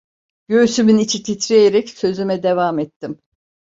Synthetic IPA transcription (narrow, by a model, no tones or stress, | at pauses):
ɟ̥ø̞ysymynit͡ʃʰit̪ʰit̪ʰɾejeɾɛcsø̞zymɛd̪evaːmɛt̪ːim